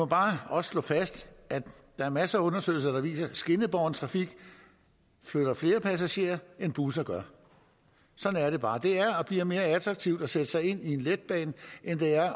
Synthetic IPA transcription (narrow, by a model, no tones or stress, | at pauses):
mɒb̥ɑ̈ːɒ̽sslɔ̰̽ːfæsd̥ʔæd̥ɑ̈æɐmæsɐːɔ̽nɐsø̰ɪl̩sɐd̥ɑ̈ʋḭːsɐsɡ̥e̝nəb̥ɒʊnt͡sʰʁɑ̈fiɡ̥ | fløɾ̥ɐfle̝ːɐpʰæs̬æɕe̝̰ɐɐenb̥uːs̬ɐɡ̥ɶɐ | sɒ̽dn̩æɐɾ̥e̝b̥ɑ̈ːd̥e̝æɐɒ̽b̥lḭːɐme̝ːɐæt͡sʰʁɑ̈ɡ̥̚t͡sʰiʊ̰d̥ɒ̽sed̥əsɑ̈ɪe̝n̰ie̝nled̥̚b̥ɛ̰ːnʔend̥e̝æɐ